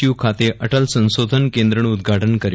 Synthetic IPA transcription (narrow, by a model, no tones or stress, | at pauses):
ukʰat̪eʔəʈəlsə̃w̃sod̪ʱənkẽnd̪ɾəɳud̪ɡʱaʈənkəɾ